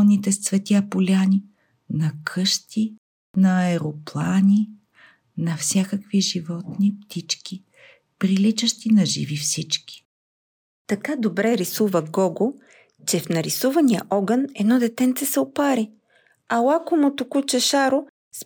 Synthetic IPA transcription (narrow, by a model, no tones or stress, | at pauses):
nit̪ɛst̪svɛt̪ʲjapolʲani | nɐkʰɤʃt̪ʰi | nɐɛɾoplˠanʲi | nɐfsʲakəkviʒivɔt̪nipt̪it͡ʃki | pɾilit͡ʃɐʃt̪inɐʒḭvifsit͡ʃkʲi̥ | t̪ɐkad̪obɾɛɾisuvəɡɔɡo | t͡ʃɛfnɐɾisuvɐnijə̰ʔɔɡənɛd̪nɔd̪ɛt̪ɛnt̪sɛsɛopaɾi | ɐlˠakonot̪okut͡ʃɛʃaɾo | s